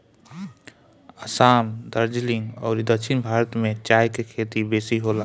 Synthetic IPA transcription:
əsaːmd̪əɾd͡ʒlɪ̃ŋɡɔːɾd̪əkʃʰɪnbʱaːɾət̪mẽt͡ʃaːjkekʰeːt̪ibeːsiɦoːla

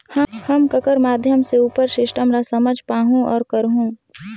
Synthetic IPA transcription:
həhəmkəkəɾmaːd̪ʱjəmseuːpəɾʃɪʃʈʰəmɾasɐməd͡ʒʱpaːɦũɔːɾkəɾɦũː

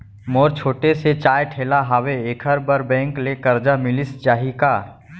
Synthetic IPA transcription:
moːɾt͡ʃʰoːʈeset͡ʃaːjʈʰeːlaɦaweeːkʰəɾbəɾbɛ̃ːŋklekɐɾd͡ʒamɪlɪst͡ʃaːɦikaː

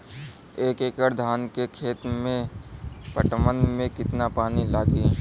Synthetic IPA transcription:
eːkeːkəɾd̪ʱaːnkekʰeːt̪mẽ | pəʈmənmẽkɪt̪napaːnilaːɡi

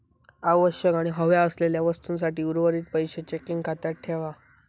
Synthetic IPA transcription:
aʋəɕjəkaɽ̃iɦəʋjaəsleljaʋəst̪ũnsaʈiːuɾʋəɾiːt̪̚pəjɕet͡ɕekiŋɡkʰat̪aʈʰːeʋa

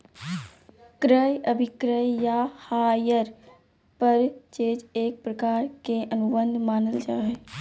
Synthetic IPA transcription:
kɾəjəbʱɪkɾəjjahaːjəɾ | pəɾt͡ʃeːd͡ʒeːk̚pɾəkaːɾkeʔənʊbə̃nd̪ʱmaːnəld͡ʒaːe

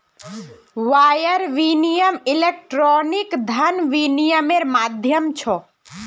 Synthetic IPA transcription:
ʋajəɾʋinijəmilek̚ʈɾɔnikd̪ʱənʋinijəmeɾmad̪ʱjəmt͡ʃʰɔ

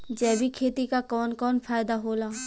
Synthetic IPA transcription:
d͡ʒɛːbʱikʰeːt̪ikakɔːnkɔːnpʰaːjd̪aɦoːlaː

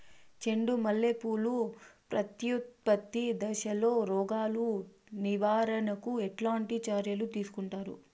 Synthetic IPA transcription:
t͡ʃe̞ɳɖumɐlːepuːlupɾɐt̪jut̪̚pɐt̪ːid̪ɐʃɐlo̞ːɾɔːɡaːlu | niʋaːɾɐnɐkuɛʈlaːɳʈit͡ʃaːɾjɐlut̪iːsu̥kuɳʈaːɾṵ

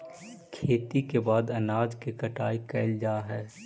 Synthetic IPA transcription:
kʰeːt̪ikebaːd̪ɐnaːd͡ʒkikɐʈaːikɛɪld͡ʒaːɦɛː

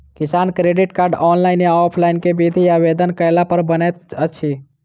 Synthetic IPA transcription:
kisankɾeɖiʈkaɾɖɔnlaɪnjaɔpʰlainkebid̪ʱijabed̪ənkəjlapəɾbənɛt̪ət͡ʃʰi

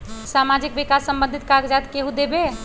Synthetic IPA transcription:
samad͡ʒikʋikasːəmbə̃nd̪ʱit̪̚kaɡd͡ʒat̪keɦũd̪ebe

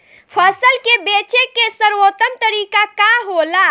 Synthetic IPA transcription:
pʰəsəlkebet͡ʃekesəɾwot̪əmt̪əɾikakaɦola

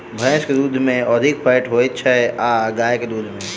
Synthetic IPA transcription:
bʱɐ̃sked̪uːd̪ʱmẽɔd̪ʱɪkfʰaːɪʈɦoetːʃʰaɦɛʔaːɡaːjeked̪uːd̪ʱmẽ

